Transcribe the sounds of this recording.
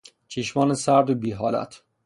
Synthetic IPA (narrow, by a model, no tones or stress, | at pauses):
t͡ʃʰeʃmɒːnesæɾd̪obiːɦɒːlæ̰t̪ʰ